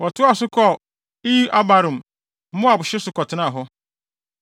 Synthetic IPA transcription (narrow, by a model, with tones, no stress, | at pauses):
wɔ˨tʰʊ˦a˨sʊ˦kʰɔ˦ | i˦ʔa˦ba˨ɾʊ̃˨m˨ | m̩˦mʊ̃˦a˨bʊ˨ɕɪ˦sʊ˦kɔ˨tʰɪ˦nã˦˨ɦɔ˦